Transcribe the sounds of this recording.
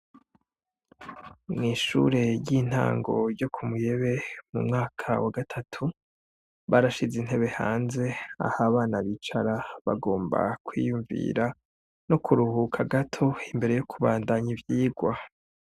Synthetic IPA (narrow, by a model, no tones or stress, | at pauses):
mŋiːʃṵɾe̞jiːn̥ha̰ːŋɡo̞̰ɾjo̞kʰumuje̞βe̞mṵmŋaːkʰa̰waɡatʰatʰu | βaɾaʃizin̥heβe̞ha̰ːnze̞a̰haβaːnaβit͡ʃaɾaβa̰ɡo̞ːmba̰kwijuɱvḭɾa | nokʰuɾuhukʰaɡatʰo̞imbe̞ɾe̞jokʰuβaːndaɲivjiːɡwa